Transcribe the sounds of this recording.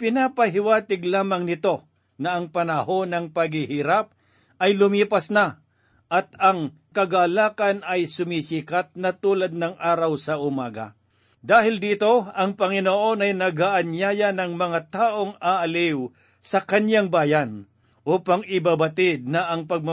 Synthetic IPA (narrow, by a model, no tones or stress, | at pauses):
pɪnaːpɐɦɪwaːt̪ɪɡlaːmɐŋnɪt̪o̞ | nɐɐŋpɐnɐho̞nɐŋpɐɡɪhiɾap̚ | ʔɐjlʊmiːpɐsna | ʔɐt̪ɐŋ | kɐɡalaːkɐnɐjsʊmisiːkat̪̚nɐt̪uːlɐd̪̚nɐŋʔaːɾɐwsɐʔʊmaːɡɐ̰ | d̪aːɦɪld̪iːt̪o̞ɐŋpɐŋɪnoʔo̞nɐjnɐɡaʔɐnjaːjɐnɐŋmɐŋat̪aːʔo̞ŋaʔɐlɪw | sɐkɐnjaŋbaːjan | ʔuːpɐŋɪbabɐt̪ɪd̪̚nɐʔɐŋpɐɡ̚mɐ